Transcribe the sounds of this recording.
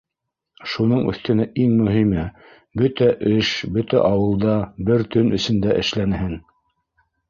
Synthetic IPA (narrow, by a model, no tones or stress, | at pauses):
ʃunɤɴɵ̰̆θt̪ɘ̆næʔiŋmɵ̆ɦimɘ | bɵt̪æʔɘʃbɵt̪æ̰ʔɑwɤ̆lˠd̪ɑbɘɾt̪ɵnɵ̆sɵ̆nd̪æʔɘ̰̆ʃlænhɘn